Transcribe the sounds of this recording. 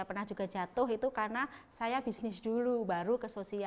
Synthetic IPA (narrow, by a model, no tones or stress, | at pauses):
apərnahd͡ʒuɡad͡ʒat̪ʊɦit̪ukarnasajabisnɪsdulubaɾukəsosia